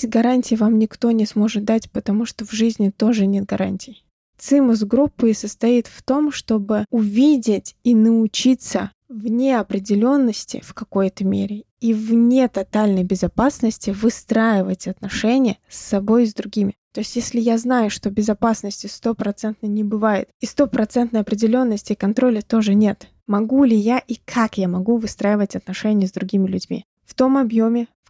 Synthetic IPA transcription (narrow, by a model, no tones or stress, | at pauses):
ɡɐɾanʲtʲɪjvamnʲɪkt̪o̞nʲɪsmo̞ʐɨt̪̚d̪atʲpət̪ɐmuʂt̪ovʐɨzʲnʲɪt̪o̞ʐɨnʲe̞t̪̚ɡɐɾʔa̰nʲtʲɪj | t̪sɨmʊsɡɾupːɨsəst̪ɐit̪ft̪o̞mʂt̪o̞bɨʊvʲidʲɪtʲinəʊt͡ɕit̪sə | vnʲeɐpɾʲɪdʲɪlʲo̞nːəsʲtʲɪ̰fkɐko̞jt̪əmʲḛɾʲɪ | ivnʲe̞t̪ɐt̪alʲnəjbʲɪzɐpasnəsʲtʲɪvɨst̪ɾajɪvətʲɐt̪nɐʂɛnʲɪjəsːɐbo̞jzd̪ɾʊɡʲimʲɪt̪o̞ɪsʲtʲjesʲlʲɪjaznajʊʂt̪o̞bʲɪzɐpasnəsʲtʲɪst̪o̞pɾɐt̪sɛnt̪nəjnʲɪbɨvajɪ̰t̪ist̪o̞pɾɐt̪sɛnt̪nəjɐpɾʲɪdʲɪlʲo̞nːəsʲtʲɪkɐnt̪ɾo̞lʲət̪o̞ʐɨnʲe̞t̪ | mɐɡulʲɪjaʔikʰakjamɐɡuvɨst̪ɾajɪvətʲɐt̪nɐʂɛnʲɪjəzd̪ɾʊɡʲimʲɪlʲʉdʲmʲḭ | ft̪o̞mɐbjo̞mʲɪf